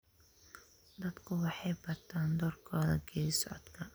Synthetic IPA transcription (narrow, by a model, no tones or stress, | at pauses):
d̪ɐd̪kʰʊwɑħɑjbɐt̪ʰaːnd̪ɔrkʰɔːðɐ̰ɡʰɛːsʊʕɔ̰d̪kʰɐ